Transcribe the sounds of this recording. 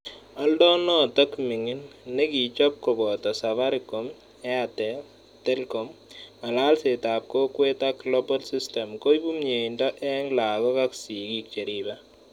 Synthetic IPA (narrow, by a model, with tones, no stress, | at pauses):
a˦ldɔ˦nɔ˦tɐ˦kmɪ˨ŋɪ˦nːe˦ki˨t͡ʃɔ˦p̚ko˨bɔ˨t̪ɔ˨saβa˦ɾɪkɔm | ɛ˦at̪ɛ | te˦lkɔ˨ma˨la˦lse˨ta˨p̚ko˦kwe˦t̪aklobɔ˦lsiste˨mko˦jbu˦mɲe˨indɔ˦ʔɛ˦ŋla˨ɡɔ˦kaksi˨ɡi˦k̚t͡ʃe˨ɾiba